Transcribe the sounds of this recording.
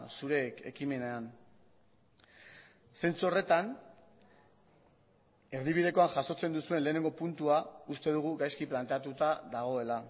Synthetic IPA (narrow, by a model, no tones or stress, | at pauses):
suɾe̞ke̞̰kime̞nean | se̞nt͡suore̞t̪an | e̞ɾðiβ̞ið̞e̞ko̞aŋʝaso̞t͡se̞nd̪usue̞nle̞ːne̞ŋɡo̞punt̪uaust̪e̞ð̞uɣ̞uɡajskiplant̪e̞at̪ut̪aðaɣ̞o̞e̞la